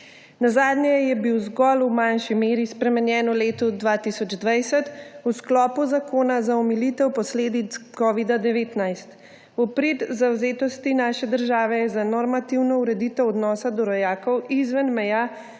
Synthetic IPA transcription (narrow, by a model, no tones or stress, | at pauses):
nazaːd̪njɛjɛbiwzɡɔlumanʃimeːɾispɾɛmɛnjɛːnɔleːt̪ɔd̪ʋaːt̪isɔd͡ʒd̪ʋajsɛt̪usklɔːpuzakoːnazaɔmilit̪ɛwpɔsleːd̪it̪skɔʋid̪ad̪ɛʋeːt̪najst̪ | ɔpɾet̪zawzeːt̪ɔst̪inaʃɛd̪əɾʒaːʋɛjɛzanɔɾmat̪iwnɔuɾɛd̪iːt̪ɛwɔd̪nɔːsad̪ɔɾɔjaːkɔwizʋɛnmɛjaː